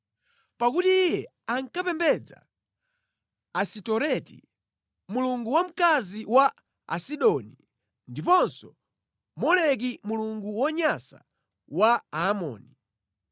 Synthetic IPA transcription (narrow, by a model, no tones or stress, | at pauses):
pakutiːjɛ | aŋkapɛmbɛd͡za̰ | sitɔɾɛtḭ | muluŋɡuwam̩kaziwa | a̰siɗɔni | ndipɔnsɔ | mɔlɛk̬imuluŋɡuwɔɲasa̰ | waaːmɔ̰ːni